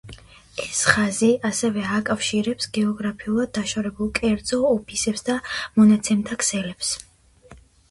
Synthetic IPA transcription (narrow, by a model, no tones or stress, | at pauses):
ɛsχaziasɛvɛakʼafʃiɾɛpsɡɛɔɡɾapʰiulˠad̪̚ːaʃaɾɛbulˠkʼɛɾd̪zɔːpʰisɛpsd̪amɔnat̪sʰɛmt̪ʰakʰsɛlɛps